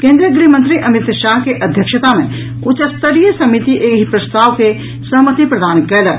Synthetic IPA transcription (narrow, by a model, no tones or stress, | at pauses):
kẽːnd̪ɾijəɡɾimə̃nt̪ɾiʔɐmɪt̪ʃaːɦkeʔɐd̪ʱjəkʃət̪amẽ | ʊt͡ʃəst̪əɾijəsɐmit̪iʔeːɦipɾɐst̪ʰaːʋke | sɐɦmət̪ipɾɐd̪ʱaːnkɛːləɾ